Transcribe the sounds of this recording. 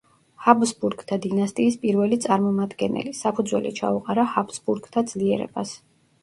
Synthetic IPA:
habzbuɾɡt̪ʰad̪inast̪ʼiːspʼiɾvɛlit̪sʼaɾmɔmad̪ɡɛnɛ̰lisapʰud̪zwɛ̰lḭt͡ʃʰa̰uqʼaɾahabzbuɾɡt̪ʰad̪z̥liɛɾɛ̰bas

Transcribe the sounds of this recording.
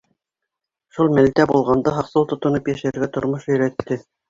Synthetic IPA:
ʃulˠmæ̆lt̪æbulˠʁɑnd̪ɑɦɑqsɤw̪ˠt̪ŏt̪ŏnɤpjæʃæɾɡæt̪ŏɾmoʃɵ̆jɾæt̪ːɘ

